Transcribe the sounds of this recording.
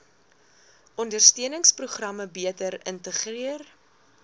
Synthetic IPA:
ʔɔndərstiənəŋspruχrɐməbiətəɾəntəχriər

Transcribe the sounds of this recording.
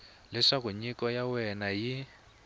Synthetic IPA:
lɛʂakuɲikɔjawɛnaji

